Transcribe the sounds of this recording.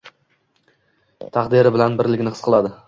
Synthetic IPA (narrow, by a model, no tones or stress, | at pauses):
t̪ʰɑqd̪ɪɾɪbɪlanbɪɾlɪkʲnɪqʰɨ̥sqʰɨlˠad̪ɪ